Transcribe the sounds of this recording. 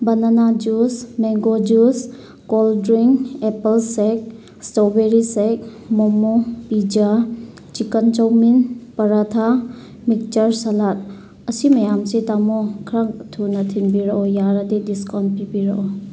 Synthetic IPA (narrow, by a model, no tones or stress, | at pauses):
bɐnanad͡ʒusmeŋɡod͡ʒus | kɔldɾiŋepɐlsek̚ | stobeɾisek̚ | mɔmopid͡ʒa | t͡ʃikənt͡ʃawminpɐɾatʰa | mik̚t͡ʃɐɾsalat̚ | ɐsimɐjamsetamɔkʰɾaŋtʰunɐtʰinbiɾɐʔɔjaɾadediskɔn̚pibiɾɐʔɔ